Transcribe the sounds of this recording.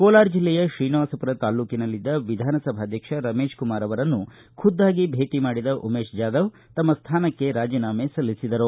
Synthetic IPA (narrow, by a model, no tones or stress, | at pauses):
koːlaːɾd͡ʒilːɛjɐʃɾiːnʋaːsɐpuɾɐt̪aːluːkinɐlːid̪ːɐʋid̪ʱaːnɐsɐbʱaːd̪ʱjɐkʂɐɾɐmeːʃkumaːɾɐʋɐɾɐnːu | kʰud̪ːaːɡibʱe̞ːʈimaːɽid̪ɐʔumeːʃd͡ʒaːd̪ɐʋ | t̪ɐmːɐst̪ʰaːnɐkːe̞ɾaːd͡ʒiːnaːmesɐlːisid̪ɐɾu